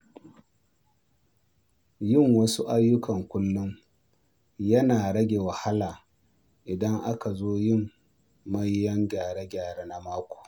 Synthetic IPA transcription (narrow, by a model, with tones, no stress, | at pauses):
jɪ˦˨ŋwɐ˦su˦ʔa˦jːʊ˦kɐ˨ŋkʷʊ˦lːʊ˦ŋ | jɐ˦naː˨ɽɐ˦ɡʲe˨wɐ˨ha˦laː˨ | ʔɪ˨dɐ˦ŋʔa˦ka˨zoː˦jɪ˦˨mː | ɐ˦jːɐ˦ŋɡʲaː˨ɽe˦ɡʲaː˨ɽe˦na˦maː˦kʷo̥ː˨